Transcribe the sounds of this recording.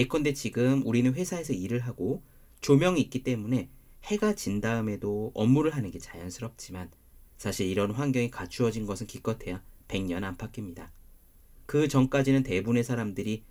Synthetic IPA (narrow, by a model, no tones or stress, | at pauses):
ek͈ʰʌnde̞t͡ɕiɡɯmuɾinɯnɸwe̞sʰae̞sʰʌiɾɯɭɦaɡo | t͡ɕomjʌŋiːk͈it͈e̞mune̞he̞ɡat͡ɕindaɯme̞doʌmːuɾɯɭɦanɯnɡe̞t͡ɕajʌnsʰɯɾʌp̚t͡ɕ͈iman | sʰaɕʰiɾiɾʌnɸwanɡjʌŋikat͡ɕʰuʌd͡ʑinɡʌsʰɯnkik͈ʌtʰe̞jape̞ŋɲʌnanpʰak͈imɲida | kɯt͡ɕʌŋk͈ad͡ʑinɯnte̞bune̞sʰaɾamdɯɾi